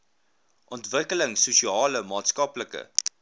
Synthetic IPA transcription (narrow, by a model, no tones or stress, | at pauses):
ʔɔntvəkələŋsusiɑːləmɑːtskɐpləkə̰